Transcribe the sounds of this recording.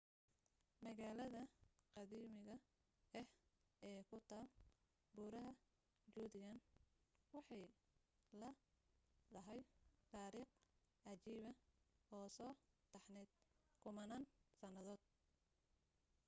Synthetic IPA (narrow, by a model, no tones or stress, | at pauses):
mɐɣaːlɐðɐqɑðiːmɪɣɐ | ɛh | ɛːkʰʊt̪ʰaːl | buːɾɐɦɐ | d͡ʒuːd̪ɪjɐnwɑħɑj | lɐ | d̪ɐɦɛjt̪ʰaːɾiːq | ɑt͡ʃiːβɐhɔːsɔːt̪ʰɐħnɛːd̪̚kʰʊmɐnaːnsɐnɐðɔːd̪̥̚